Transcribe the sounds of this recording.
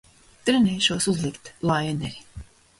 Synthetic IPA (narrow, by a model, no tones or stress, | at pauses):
t̪ɾɛnɛjʃuɔsuzlˠikt̪lˠajɛnɛɾʲi